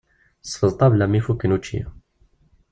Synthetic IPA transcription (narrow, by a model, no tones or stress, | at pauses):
sfəlˤt̪ˤɑblamːifukːənut͡ʃːḭ